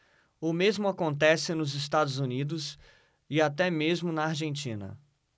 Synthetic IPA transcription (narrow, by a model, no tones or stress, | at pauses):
ʊmezmʊakõnt̪ɛsɪnʊzɪst̪ad̪ʊzunid̪ʊs | ɪat̪ɛmezmʊnɐaɾʒẽnt͡ʃĩnɐ̰